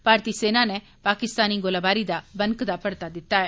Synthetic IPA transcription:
paːɾt̪iːseːnaːnɛ | paːkɪst̪aːniːɡoːlaːbaːɾiːd̪aːbəŋkd̪aːpəɽt̪aːd̪ɪt̪ːaːɛː

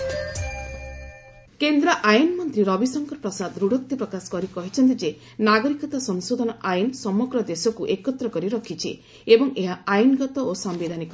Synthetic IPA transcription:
kend̪ɾaʔajnmɔnt̪ɾiɾɔbisɔŋkɔɾpɾɔsad̪ɾuɽʱɔk̚t̪ipɾɔkasɔ̥kɔɾikɔɦit͡ʃʰɔnt̪̬id͡ʒe | naɡɔɾikɔt̪asɔŋsod̪ʱɔnɔʔajnsɔmɔɡɾɔd̪esɔkuʔekɔt̪ɾɔkɔɾiɾɔkʰit͡ʃʰḭ | ebɔŋeɦaajnɡɔt̪ɔosambed̪ʱanikɔ

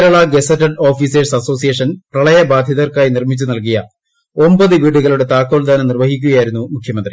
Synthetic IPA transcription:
keɾɐɭɐɡesɐtːɐɖo̞ːfiːseːsɐso̞ːsijeːʂɐnprɐɭɐjɐbaːd̪ʱjɐðɐrkaːjinirmit͡ɕːunɐlk̬ijɐ | ombɐðɨʋiːɽuɣɐɭuɽe̞t̪aːkːoːld̪aːnɐmnirʋɐɦikʲːuɣɐjaːjiɾunːumukʰjɐmɐnd̪ri

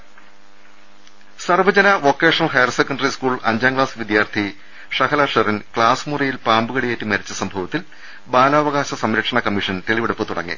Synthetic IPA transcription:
sɐrʋɐd͡ʑɐnɐʋokːeːʂɐnɐlhɐjɐrsekːɐɳɖɐriskuːɭɐɲd͡ʑaːŋɡɭaːsʋid̪jaːrt̪ʰi | ʂɐkʰɐlaʂɐrinkɭaːsmurɐjilpaːmbuɣɐɽijeːtːimɐɾit͡ɕːɐsɐmbʱɐʋɐt̪ːil | baːlaːʋɐɣaːɕɐsɐmɾɐkʂɐɳɐkɐmːiʂɐnt̪e̞ɭiʋeɽupːɨt̪uɽɐ̰ŋːḭ

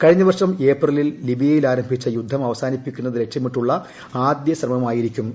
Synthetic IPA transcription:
kɐɻiɲːɐʋɐrʂɐme̞ːprɐlilːibijɐjilaːɾɐmbʱit͡ɕːɐjud̪ʱːɐmɐʋɐsaːnipːikʲːunːɐðɨɾe̞k̚ʂɐmiʈːuɭːɐ | aːd̪jɐɕrɐmɐmaːjiɾikʲːum

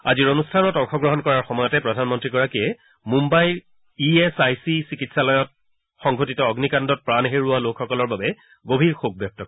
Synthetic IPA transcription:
a̰ziɹonustʰanɔtɔŋxɔɡɹɔɦɔnkɔɹaɹxɔmɔjɔtɛpɹɔdʱanmɔntɹiɡɔɹakiɛ | mumbaj | iesajsisikitsalɔjɔt̚ | xɔŋɡʱotitɔːɡnikandɔt̚pɹanɦeɹualokxɔkɔlɔɹbabɛ | ɡobʱiɹxok̚ʰbjɔk̚tɔk

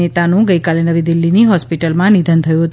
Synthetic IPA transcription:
et̪anũɡəjkalenəʋid̪ilːiniɦɔspiʈəlmãnid̪ʱənt̪ʰəjũɦət̪

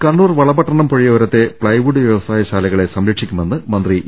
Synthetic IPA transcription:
kɐɳːuːrʋɐɭɐbɐʈːɐɳɐmpo̞ɻijɐʋːɾɐt̪ːe̞pɭɐjʋuɽɨʋjeʋɐsaːjɐɕaːlɐɣɐɭe̞sɐmɾɐkʂikʲːume̞nːɨmɐnd̪ri

